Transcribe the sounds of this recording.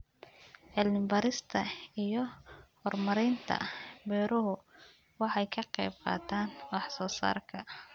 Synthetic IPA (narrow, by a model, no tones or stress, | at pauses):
ʕɪlmɪmbɐɾɪst̪ʰɐijɔhɔrmɐɾɛnt̪ʰɐ̰bɛːɾʊɦʊ | wɑħɑjkʰɐqɛ̰jːb̚qɑ̰ːt̪ʰaːnwɑħsɔːsa̰ːrkʰɐ